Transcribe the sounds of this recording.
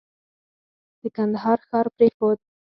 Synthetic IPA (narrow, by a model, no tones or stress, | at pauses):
d̪̥əkand̪aɦɑɾxɑɾpɾexod̪̚